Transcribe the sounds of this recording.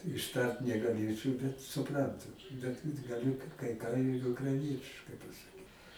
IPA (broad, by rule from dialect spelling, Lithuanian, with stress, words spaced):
ɪʃˈtɐrt nʲɛɡɐˈlʲeːt͡ʃɐʊ bʲɛt sʊˈprɐntʊ bʲɛt ɡɐˈlʲʊ kɐɪ kɐɪ kɑː ɪr ʊkrɐɪˈnʲiɛtʲɪʃkɐɪ pɐsɐˈkʲiːt